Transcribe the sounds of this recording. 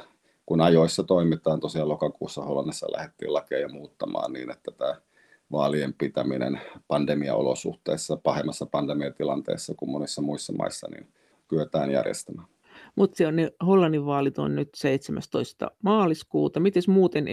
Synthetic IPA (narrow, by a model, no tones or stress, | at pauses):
kunɑjoisːɑt̪oimit̪ɑːnt̪osiɑlokɑkuːsːɑholːɑnːisːɑ̰lʔæ̰het̪ːḭːlɑkeːjɑmuːt̪ːɑmɑ̰ːnnḭːnet̪ːæt̪æː | ʋɑːliempit̪æminḛnpɑndemiɑ̰o̰lo̰sṵht̪ḛːsːɑpɑhemːɑsːɑpɑndemiɑt̪ilɑnt̪ḛˑisːɑkummonisːɑmuisːɑmɑ̰isːɑnḭn | kyøt̪æːnjæ̰rjḛst̪æmæːn | mut̪seneholːɑnːiʋʋɑːlit̪o̰nnyt̪seit̪semæst̪oist̪ɑ̰mɑːliskuːt̪ɑmit̪esmuːt̪en